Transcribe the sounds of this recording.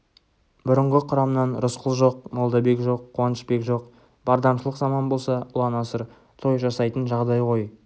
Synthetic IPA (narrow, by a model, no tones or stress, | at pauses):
bʊɾəɴʁəqʰʊɾɑmnɑnɾʊsqʰəlˠʒo̞qmolˠd̪ɑbe̞kʒo̞qʰːuwɑnəʃpe̞kʒo̞q | b̥ɑɾd̪ɑmʃəlˠəqzɑmɑnbo̞lˠsɑʊlˠɑnɑsəɾ | t̪ʰo̞jʒɑsɑjt̪ənʒɑʁd̪ɑjqʰo̞j